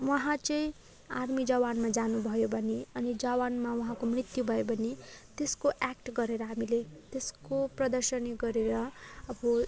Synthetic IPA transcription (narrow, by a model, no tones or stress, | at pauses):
wʌɦãt͡sʌĩ | armid͡zʌwanmad͡zanubʱʌjobʱʌneʌnid͡zʌwanmawʌɦãkomrit̪jubʱʌjobʱʌnet̪eskoʔak̚ʈɡʌɾeɾʌɦamilet̪eskoprʌd̪ʌrsʌniɡʌɾeɾʌʌbʌ